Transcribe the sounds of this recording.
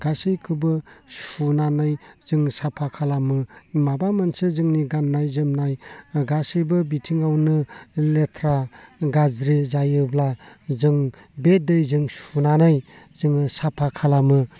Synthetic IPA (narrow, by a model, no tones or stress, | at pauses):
ɡasɯjkʰɯbɯsunanajz̥ɯŋsapʰakʰalamɯmabamansɯzɯŋniɡanːajzɯmnajɡasɯjbɯbitʰiŋawnɯletʰɾaɡazɾizajɯblazɯŋ | bedɯjzɯŋsunanaj | zɯŋsapʰakʰalamɯ